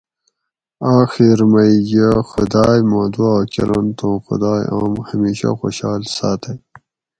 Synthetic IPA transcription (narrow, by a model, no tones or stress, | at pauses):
aːxiɾmɐjɡaxʊd̪ɑːjmoːd̪uaːkelɐnt̪õxʊ̰d̪aːjʔa̰ːmhɐmiːɕa̰xo̰ɕaːlsaːt̪ʰaj